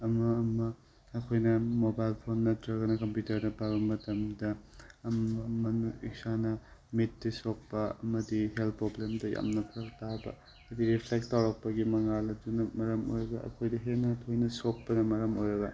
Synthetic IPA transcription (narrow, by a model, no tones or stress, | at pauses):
ɐmɐːmɐː | kʰojnɐmobajlpʰonːɐtɾɐɡɐnɐkɐmpjutɐɾdɐpabɐmɐtɐmdɐmmɐnuḭk̚sanɐmit̚ːisok̚pɐɐ̰mɐdihelt̚pɾoblemdɐja̰mnɐkʰɾɐk̚tabɐ̰ | ɐdiɾipʰlek̚tawɾɐk̚pɐɡimɐŋalɐdunɐmɐɾɐmo̰jɾɐɡɐ̰ɐ̰kʰojdɐɦenɐtʰojnɐsok̚pɐnɐmɐɾɐmojɾɐɡɐ